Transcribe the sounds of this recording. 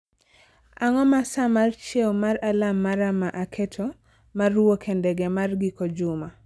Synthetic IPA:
aŋɔmasamart͡ʃewmaɾalamːaɾamaʔakʰetʰo | maruwokʰendɛɡɛmarɡikod͡ʒʊma

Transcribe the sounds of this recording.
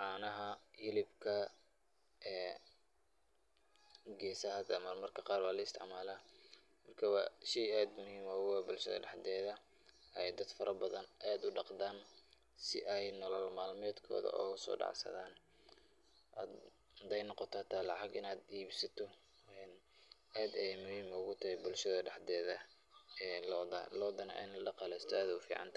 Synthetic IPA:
ʕɑːnɐɦɐhɪlɪbkʰɐ | ɛː | ɡɛːsɐɦɐd̪ɐmɐrmɐrkʰɐqɑːrwɑːlɐɪst̪ʰɪ̰ʕmaːlaː | mɐrkʰɐwɑʃijaːd̪mʊhiːmɔːɣwaːbʊlʃɐ̰ðɐ̰ɖɑħd̪ɛːðɐ | ɛjd̪ɐd̪fɐɾɐbɐðɐnaːd̪ʊɖɑqd̪aːn | sɪ̰ʔɛjnɔlɔlmaːlmɛːd̪kʰɔ̰ːðɐ̰ʔɔ̰ɣɐsɔ̰ːɖɑ̰ʕsɐ̰ðaːn | ʔaːd̪ | d̪ɛjnɔqɔt̪ʰɔt̪ʰaːlɑʕɑɡɪnaːd̪iːbsɐt̪ʰɔ | ɛn | ʔaːd̪ɛmʊhiːmɔɣʊt̪ʰɐhɛbʊlʃɐðɐɖɑħd̪ɛːðɐ | ɛːlɔdɐ̰lɔːd̪ɐnɐ̰ʔɛ̰jnɐɖɑqɑlɛst̪ʰæːðʊwfḭːʕɑ̰nt̪ʰɐ

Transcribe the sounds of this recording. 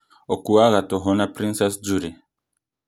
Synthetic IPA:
ɔkuaɣatɔɦɔnapɾĩnsɛsd͡ʒuɾɛ

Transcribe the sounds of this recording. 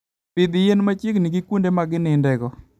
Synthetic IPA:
pɪd̪ɪjenmat͡ʃɪkniɡikwundemaɡɪnɪndɛɡɔ

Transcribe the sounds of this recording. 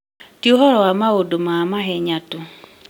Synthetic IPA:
tjoɦɔɾɔwamaodomaːmaɦɛɲato

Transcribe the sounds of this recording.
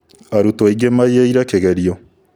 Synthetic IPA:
aɾutɔiɡemajeiɾakeɣɛɾiɔ

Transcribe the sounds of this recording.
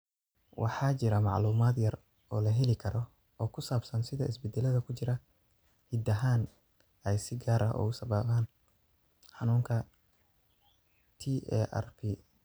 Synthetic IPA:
wʔɑ̰ħɑːt͡ʃɪɾɐmɑʕluːmaːd̪jɐr | ɔːlɐɦɛlɪkʰɐɾɔ | ɔːkʰʊsaːbsɐnsɪðɐɪsbɛd̪ːɛlɐðɐkʰʊt͡ʃɪɾɐ | hid̪ɐɦaːn | ɛjsɪɡaːɾʔɐʔɔ̰ʊsɐβɐβaːn | ħɑnuːŋkʰɐ | t̪ʰiɛ̰ʔɛ̰rpʰiː

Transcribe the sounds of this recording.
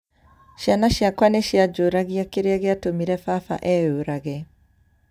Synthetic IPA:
ʃanaʃakwaneʃiad͡ʒoɾaɣiakeɾeaɣeatomiɾɛfafa̰ʔɛoɾaɣɛ

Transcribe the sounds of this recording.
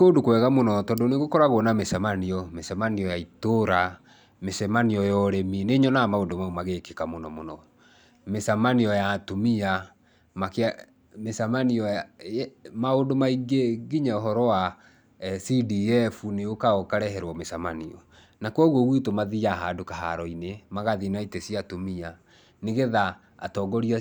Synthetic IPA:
kondokwɛɣamonɔtɔndoneɣokɔɾaɣwɔnamesamaniɔmesamaniɔjaitoɾa | mesɛmaniɔjɔɾemineɲɔnamaondomaomaɣekekamonɔmonɔ | mesamaniɔjatomia | mak | mesamaniɔ | maondomaiɡeɡiɲaoɦɔɾɔwa | sidiɛfuneokaɔkaɾɛɦɛɾwɔmesamaniɔ | nakwɔɣoɣwitomaðijaɦadokaɦa̰ɾɔinemaɣaðinaitesiatomia | neɣeða̰ː | tɔːɡɔɾia

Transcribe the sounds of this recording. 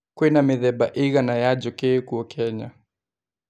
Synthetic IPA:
kwinamiðɛɓaʔiɣanajad͡ʒɔkɛkuɔkʰɛɲa

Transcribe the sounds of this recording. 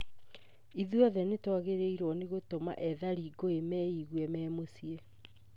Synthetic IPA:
iðuɔðɛnetwaɣeɾeiɾwɔneɣotoma̰ʔɛðaɾiɡoemɛiɣwɛmɛːmosiɛ

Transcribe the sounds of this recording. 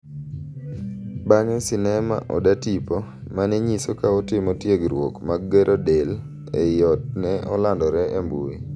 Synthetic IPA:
baɲɔsɪnɛma̰ʔɔ̰datipɔ | manɛɲisokaɔtɪmɔtjeɡɾwo̰kmaɡɡeɾʔodel | ejɔt̚nɛɔlandɔɾɛʔembui

